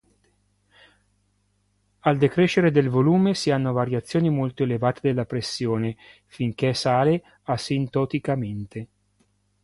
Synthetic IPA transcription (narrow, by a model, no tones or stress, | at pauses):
ald̪ekɾeʃːeɾed̪elvoluːmesianːovaɾjat̪sːjoːnimolt̪oelevaːt̪ed̪elːapɾesːjoːne | fiŋk̟esaːle | asint̪ot̪ikament̪e